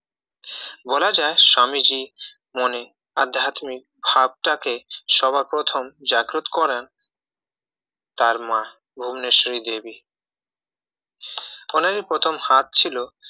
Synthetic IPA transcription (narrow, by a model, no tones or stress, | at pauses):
bolad͡ʑaeʃamid͡ʑi | mone | a̰d̪ʱat̪mik̚bʱab̚ʈakeʃɔbʱapɾot̪ʰomd͡ʑaɡɾot̪kɔɾen | t̪aɾmã | bʱumneʃɾid̪ebi | onaɾipɾot̪ʰomhat̪̚t͡ɕʰilo